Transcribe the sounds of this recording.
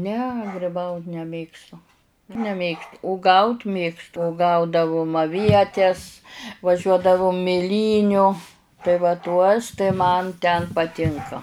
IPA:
nʲɛ ɡrʲɪˈbɐʊt nʲɛˈmʲeːkstʊ nʲɛˈmʲeːkst ʊˈɡɐʊt ˈmʲeːkstʊ ʊˈɡɐʊdɐʋʊm ɐˈʋʲiɛtʲɛs ʋɐˈʒʲuɔdɐʋʊm mʲɪˈlʲiːnʲʊ tɐɪ ʋɐ ˈtuɔs tɐɪ ˈmɐn tʲɛn pɐˈtʲɪŋkɐ

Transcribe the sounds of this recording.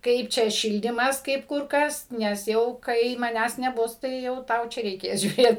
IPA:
ˈkɐɪp t͡ʃʲɛ ˈʃʲɪlʲdʲiːmɐs ˈkɐɪp ˈkʊr ˈkɐs nʲɛs ˈjɛʊ kɐɪ mɐˈnʲæːs nʲɛˈbʊs tɐɪ jɛʊ ˈtɐʊ t͡ʃʲɛ rʲɛɪˈkʲeːs ʒʲuːˈrʲeːt

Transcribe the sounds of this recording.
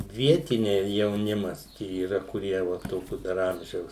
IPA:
ˈʋʲiɛtʲɪnʲɛɪ jɛʊˈnʲɪmɐs ˈt͡ʃʲɛ iːˈrɐ kʊˈrʲiɛ ʋɐ ˈtoːkʲʊ dɐr ˈɐmʲʒʲɛʊs

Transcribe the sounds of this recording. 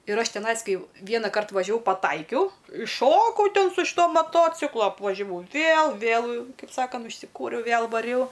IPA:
ɪr ˈɐʃ tʲɛˈnɐɪs ˈkɐɪ ˈʋʲiɛnɐkɐrt ʋɐʒʲɛˈʋɐʊ pɐˈtɐɪkʲɛʊ ɪʃˈʃoːkɐʊ ˈtʲɛn sʊ ɪʃ ˈtoː mɐˈtoːt͡sʲɪklˠoː ɐpʋɐʒʲɛˈʋɐʊ ˈʋʲeːlˠ ʋʲeːlˠ ˈkɐɪp ˈsɑːkɐnt ʊʃʲsʲɪˈkuːrʲɛʊ ˈʋʲeːlˠ ʋɐˈrʲɛʊ

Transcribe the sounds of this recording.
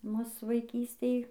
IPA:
ˈmʊs ʋɐɪˈkʲiːsʲtʲeːj

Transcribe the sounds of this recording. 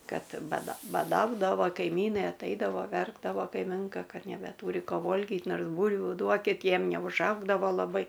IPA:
ˈkɐt bɐˈdɐ bɐˈdɐʊdɐʋoː kɐɪˈmʲiːnɐɪ ɐtˈɐɪdɐʋoː ˈʋʲɛrɡdɐʋoː kɐɪˈmʲɪŋkɐ ˈkɐt nʲɛbʲɛˈtuːrʲɪ ˈkoː ˈʋoːlʲɡʲɪt ˈnoːrs ˈbuːlʲʋʲʊ ˈduɔkʲɪt ˈjiɛm nʲɛʊʒˈɐʊɡdɐʋoː lˠɐˈbɐɪ

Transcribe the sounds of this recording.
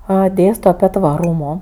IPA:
ˈɐ ˈdʲeːstoː ɐˈpʲiɛ tʋɐˈruːmoː

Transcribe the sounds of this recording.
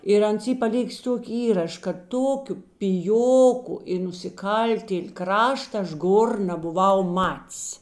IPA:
ɪr ˈɐns ˈiː pɐˈlʲɪkʲɪs ˈtuɔkʲɪ ˈiːrɐʃ kɐt ˈtoːkʲʊ pʲɪˈjoːkʊ ɪ nʊsʲɪˈkɐlʲtʲeːlʲ ˈkrɑːʃtɐ ˈɐʃ ˈɡoːr nɐbʊˈʋɐʊ ˈmɐtʲs

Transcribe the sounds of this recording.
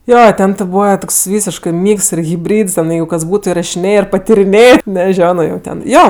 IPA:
ˈjoː ˈtʲɛn tʲɪ ˈbuːʋɐ ˈtoːks ˈʋʲiːsʲɪʃkɜ ˈmʲiːks ɪr ɣʲɪbʲˈrʲiːts ˈtʲɛn ˈjɛɪɡʊ kɐs ˈbuːtʊ ɪrɐʃʲɪˈnʲeːjeː ɪr pɐtʲɪrʲɪˈnʲeːjeː nʲɛˈʒʲoːnoː jɛʊ ˈtʲɛn ˈjoː

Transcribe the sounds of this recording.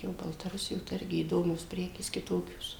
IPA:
joː bɐlˠtɐˈrʊsʲɪjoː tɐɪ ˈɪrʲɡʲɪ iːˈdoːmʲoːs ˈpʲrʲæːkʲeːs kʲɪˈtoːkʲoːs

